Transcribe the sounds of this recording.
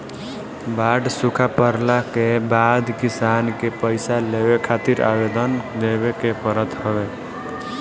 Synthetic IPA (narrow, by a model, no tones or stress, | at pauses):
baːɖsukʰapəɾlakebad̪kɪsankepəɪsalebekʰat̪iɾa̰bed̪ənd̪ebekepəɾət̪ɦəbe